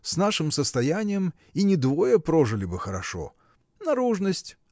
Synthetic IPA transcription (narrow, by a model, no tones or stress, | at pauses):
sʲnaʂɨmsəst̪ɐjænʲɪjəm | inʲɪd̪vojəpɾoʐɨlʲɪbɨxəɾɐʂo̰ | nɐɾuʐnəsʲtʲ